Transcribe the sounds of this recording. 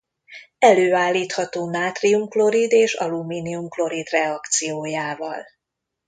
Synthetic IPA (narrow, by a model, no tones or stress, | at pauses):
ɛløːaːlːiːt̪hɒt̪oːmaːt̪riumklo̞ɾid̪eːʃɒ̰lumiːniumklo̞ɾid̪rɛɒkt̪sijoːjaːvɒ̰l